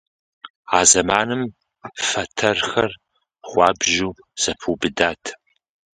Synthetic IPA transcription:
aːzɐmaːnɨm | fɐtʰɐrxɐr | χʷɑːbʒuː | z̥ɐpʰuːbɨdaːtʰ

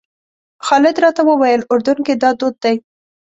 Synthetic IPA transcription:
xɑlɪd̪ɾɑt̪awəwajəlʊɾd̪unked̪ɑd̪od̪̚ːaj

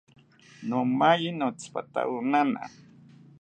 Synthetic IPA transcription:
nomajinot͡spat̪a̰unana̰

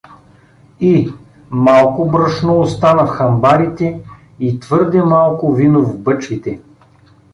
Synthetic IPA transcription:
i | malˠkobɾəʃnoost̪anəfxɐmbaɾit̪ɛ | it̪vɤɾd̪ɛmalˠkʊvinovbɤt͡ʃkit̪ɛ

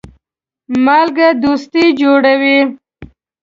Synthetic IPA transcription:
malɡad̪ust̪id͡ʒoɽawi

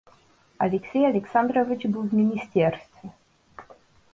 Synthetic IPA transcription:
a̰lʲɛksʲɛjalʲɛksand̪ɾɔvʲit͡ʃbɘwvmʲinʲist̪ʲɛɾst̪fʲɛ

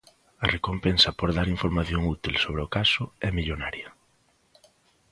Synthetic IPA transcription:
ɐrekompensɐpoɾðaɾiɱfoɾmaθjoŋut̪ilsoβɾeʊkasʊɛmiʎonaɾjɐ

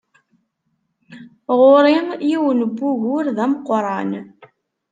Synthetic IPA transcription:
ʁʊɾɪmjiwənəbːuʝʊɾðæmqɾˤɑn

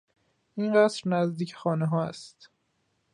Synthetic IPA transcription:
ʔinɢæsɾnæzd̪iːcʰe̥xɒːneɦɒːæ̰st̪

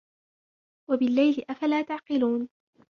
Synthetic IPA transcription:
wabɪlːajlɪʔafalaːt̪aʕqɪluːn

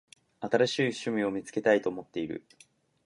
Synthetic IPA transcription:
at̪aɾaɕiːɕɨmʲio̞mʲit͡sɨ̥ke̞t̪ait̪o̞ːmo̞t̪ːe̞iɾɯ̟̰

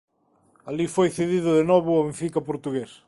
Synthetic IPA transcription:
alifojθeðiðʊðenɔβʊoẽɱfikɐpoɾt̪uɣes

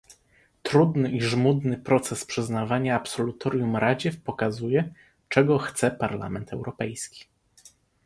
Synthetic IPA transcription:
t̪ɾud̪nɘiʐmud̪nɘpɾɔt̪sɛspʂɘznavaɲaːpsɔlut̪ʰɔɾjumɾad͡ʑɛfpɔkazujɛ | t͡ʂɛɡɔxt̪sɛpaɾla̰mɛnt̪ʰɛwɾɔpɛjskʲi̥

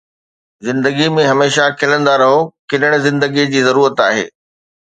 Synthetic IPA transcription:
zɪ̃nd̪əɡimẽɦɐmeːʃakʰɪlə̃nd̪aɾɐɦokɪnəɽ̃̆zɪ̃nd̪əɡid͡ʑiːzɐɾuːɾət̪aːɦḛː

